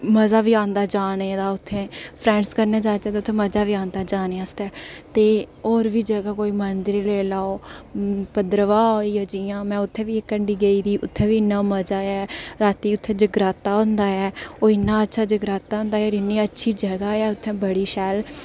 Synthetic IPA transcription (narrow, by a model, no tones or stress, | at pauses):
məzaːʋiːãːnd̪aːd͡ʒaːneːd̪aːʊt̪ʰːẽːpʰɾɛ̃ːɳskəɾneːd͡ʒaːt͡ʃɛːt̪eʊt̪ʰːẽːməd͡ʒaːʋiːãːnd̪aːd͡ʒaːneːast̪ɛːt̪eːoːɾʋiːd͡ʒəɡaːkoːiːmənd̪ɪɾileːlaːoː | pəd̪ɾəʋãːoiːəd͡ʒiːãːmɛ̃ːʊt̪ʰːẽːʋiːɪkːəɳɖiːɡəiːd̪iːʔʊt̪ʰːẽːʋiːnːaːməd͡ʒaːɛːɾaːt̪iːʊt̪ʰːẽːd͡ʒəɡɾaːt̪ːaːɦʊ̃nd̪aːɛːoːɪnːãːətːʃʰaːd͡ʒəɡɾaːt̪ːaːɦʊ̃nd̪aːɛoːɾɪnːiːətːʃʰiːd͡ʒəɡaːɛːʊt̪ʰːẽːbəɽiːʃɛːl